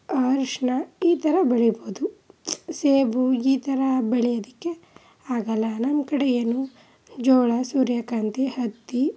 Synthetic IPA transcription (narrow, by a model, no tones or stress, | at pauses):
ɐɾʂɳɐiːt̪ɐɾɐbeɭiboud̪useːbuiːt̪ɐɾɐbeɭɛjɐd̪ikːe | aːɡɐlːɐnɐmkɐɽejɐnu | d͡ʒɔːɭɐsuːɾjɐkaːnt̪ihɐt̪ːi